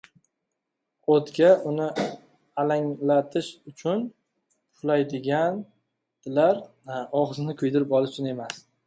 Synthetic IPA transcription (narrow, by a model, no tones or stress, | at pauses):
ot̪ɡʲaʊnɪ | alaŋlat̪ʰɪʃʊt͡ʃʰʊn | ʊlajd̪ɪɡʲan | d̪̥ɪlaɾ | ɒʁɨzɪnɪkʰʊjd̪ɪɾɪpɒlˠɪt͡ʃʰɪne̞mas